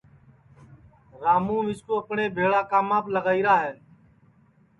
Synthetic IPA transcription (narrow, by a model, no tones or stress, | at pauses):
ɾaːmũːʋɪskoːəpɳeːbʱeːɭaːkaːmaːpləɡaːiːɾaːɦeː